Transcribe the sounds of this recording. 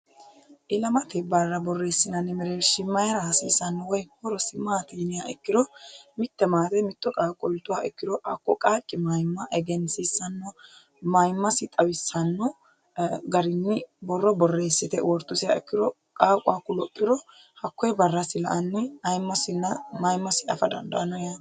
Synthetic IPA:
ʔɪlɐmɐt̪ɛbɐrːɐbɔrːeːsːɪnɐnːɪmɪɾeʃɪmːɐjɐɾɐhɐsiːsɐnːɔwɔjhɔɾɔsɪmaːt̪iːnɪjaɛkːɪd̪ɔmɪt̪ːɛmaːt̪ɛmɪt̪ːɔkʼaːkʼːɔlt̪ːʊwaːʔɛkːɪd̪ɔʔɐ̰kːɔkʼaːkʼːɪmɐjmːɐʔɛɡɛnsɪsɐnːɔ | mɐjmːɐsɪt̪ʼɐwɪsːɐnːɔ | ɡɐɾɪnːɪbɔrːɔbɔrːe̞ːsːɪt̪ɛwɔɾt̪ːʊsɪja̰ɛkːɪd̪ɔ | kʼaːkʼʊaːkːʊlɔpʼːɪɾɔ | hɐkːɔjbɐrːɐsɪlɐ̰ʔɐnːɪɐjmːɐsɪnːɐmɐjmːɐsɪɐfɐd̪ɐ̰nd̪ɐʔɐnɔja

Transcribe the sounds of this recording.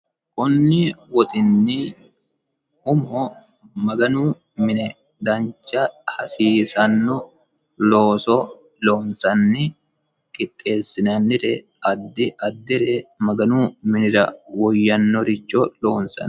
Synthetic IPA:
kʼʊnːɪwɔt̪ʼɪnːi | ʊmɔ | mɐɡɐnuː | mɪnɛ | d̪ɐnt͡ʃːɐhɐsiːsɐnːɔ | loːsɔ | loːnsɐnːɪ | kʼɪt̪ʼːe̞ːsːɪnɐnːɪɾɛ | ɐd̪ːɪʔɐd̪ːɪɾɛmɐɡɐnuːmɪnɪɾɐwɔjːɐnːɔɾɪt͡ʃːolo̞ːnsɐ̰n

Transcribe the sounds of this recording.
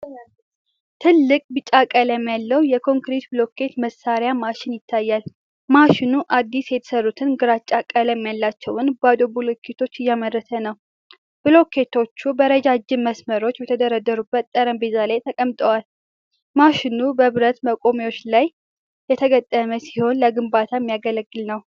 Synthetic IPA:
t̪ʰɨlːɨkʼbɨt͡ʃʼːakʼələmjalːəwjɛkʰo̞ŋkɾet̪bɨlo̞kʰːe̞t̪məsaɾjamaʃɪnjɪt̪ʰːajːal | maʃɪnuʔad̪ːisjɛt̪ʰə̥sərːut̪ʰɨnɡɨɾat͡ʃʼːakʼələmjalːat͡ʃːɛwʊnbad̪obulokʰːe̞t̪ʰo̞t͡ʃːɨjːamərːəsʰənəw | b̥ɨlo̞kʰːe̞t̪ʰo̞t͡ʃːubəɾəd͡ʒad͡ʒːɪməsməɾo̞t͡ʃːbɛt̪ʰəd̪əɾad̪əɾubːət̪ːʼəɾəmbezalajt̪ʰəkʼəmt̪ʼəwal | maʃɪnubəβɨɾət̪məkʼo̞mewo̞t͡ʃːlaj | jɛt̪ʰəɡət̪ʼːəməsiho̞nləɡɨmbat̪ʰajɛmːijaɡələɡːɨlnəw

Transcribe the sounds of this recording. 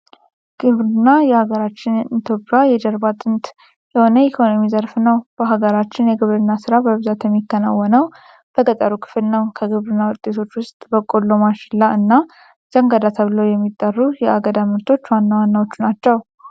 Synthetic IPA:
ɡ̥ɨβɾɨnːajɛhaɡəɾat͡ʃːɪnit̪ʰjo̞pʼːjajɛd̪əɾbat̪ʼɨnt̪ | jɛho̞nəikʰo̞no̞mizəɾfnəwb̥əɦaɡəɾat͡ʃːɪnjɛɡɨβɾɨnːasɨɾabəβɨzat̪jɛmːikːəna̰wːɔnəw | b̥əkʼət̪ʼəɾukʰɨ̥flɨnːəwkʰəɡɨβɾɨnːawʊt̪ʼːe̞t̪ʰo̞t͡ʃːwʊst̪ʼbəkʼolːomaʃlaɨnːa | z̥əŋɡad̪at̪ʰəβləwjɛmːit̪ʼːərːujɛʔaɡəd̪amɨɾt̪ʰo̞t͡ʃːwanːawanːawo̞t͡ʃːunat͡ʃːɛw

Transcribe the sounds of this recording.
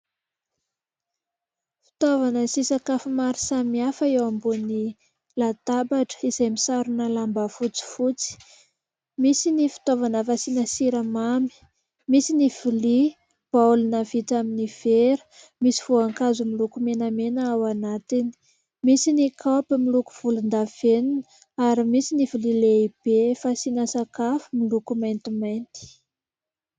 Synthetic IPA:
fi̥t̪ovanəsisakafimaɾisamiafəewambuni | lat̪abaʈ͡ʂə̥iz̥ajmisaɾunəlambafut͡si̥fut͡si̥ | misinifi̥t̪ovanafasinəsiɾəmami̥ | misiniv̥ili | b̥aulunavit͡saminiv̥eɾ | misi̥v̥uaŋkazumilukumenamenəawanat̪ini̥ | misinikʰapimiluku̥v̥ulund̪av̥eninə | aɾimisinivilileib̥efasinəsakafumilukumajnt̪imajnt̪i̥

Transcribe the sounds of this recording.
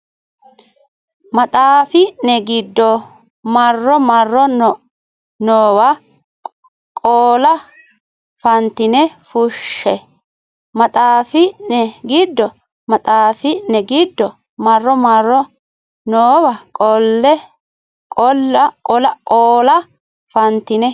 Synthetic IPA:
mɐt̪ʼaːfɪnɛɡɪd̪ːɔ | mɐrːɔmɐrːɔnɔ | noːwɐ | kʼoːlɐ | fɐnt̪ːɪnɛfʊʃːɛ | mɐt̪ʼaːfɪnɛɡɪd̪ːɔ | mɐt̪ʼaːfɪnɛɡɪd̪ːɔ | mɐrːɔmɐrːɔ | noːwɐkʼɔlːɛ | kʼɔlːɐkʼɔlɐkʼoːlɐ | fɐnt̪ːɪnɛ

